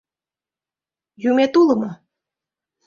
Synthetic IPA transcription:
jumet̪ulɤ̆mɤ

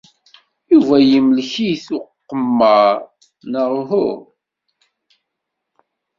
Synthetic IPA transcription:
juvæjimlçijθʊqqːəmːɑ | nəɾɦʊ

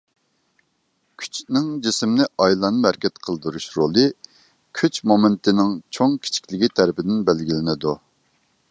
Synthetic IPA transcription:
kʲʰy̥t͡ʃnɪŋd͡ʒisɪmnɪʔɑjlˠɑnɨmæɾkʲɛt̪qʰəlˠd̪uɾuʃɾolˠɨ | kʲʰyt͡ʃmomɪnt̪ʰɪnɪŋt͡ʃʰoŋkʲʰi̥t͡ʃʰi̥kʲlɪɡʲit̪ʰæɾɪpɪd̪ɪnbælɡʲilɪnɪd̪u

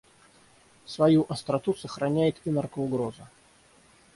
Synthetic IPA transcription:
svɐjuʔɐst̪ɾɐt̪usəxɾɐnʲæjɪt̪inarkəʊɡɾozə

